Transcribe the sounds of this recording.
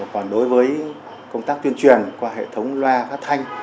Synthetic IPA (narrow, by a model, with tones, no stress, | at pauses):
kɔ˨˩nɗo˨˦jvəː˨˦j | kə˧wŋ͡mt̪aː˦˥k̚t̪wi˧ənt͡ɕwi˨˩ənkwaː˧ɦḛ˧˨t̪ʰə˨˦wŋ͡mlwaː˧faː˦˥k̚t̪ʰa˧jŋ̟